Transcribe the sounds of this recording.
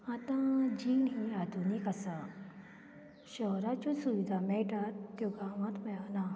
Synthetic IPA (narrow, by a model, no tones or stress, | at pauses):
ɐt̪ãd͡ʒiːnɦĩaːd̪ʱunikɐsa | ʃɔːɾat͡ʃõsuʋid̪ʱameʈat̪kjoɡaːʋɐ̃t̪mẽana